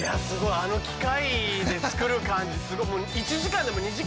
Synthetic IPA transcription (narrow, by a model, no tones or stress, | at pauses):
jasɨɡo̞iano̞kʲi̥kaid̪e̞t͡sɨ̥kɯ̟ɾɯ̟kãɲ̟d͡ʑisɨɡo̞imo̞ːit͡ɕiʑikãnd̪e̞mo̞ɲiʑi